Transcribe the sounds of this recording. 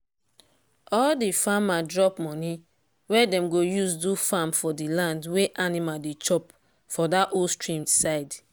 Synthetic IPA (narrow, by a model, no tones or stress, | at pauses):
ɔldifamadɹɔpmɔni | wɛdɛ̃mɡojusdufamfɔdilãndweʔanimaldet͡ʃɔp | fɔdaʔolstɹĩmsaɪd